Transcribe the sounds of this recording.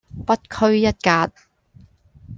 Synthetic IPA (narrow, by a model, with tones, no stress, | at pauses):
pɐ˥t̚kʰɵ˥ɥjɐ˥t̚kaː˧t̚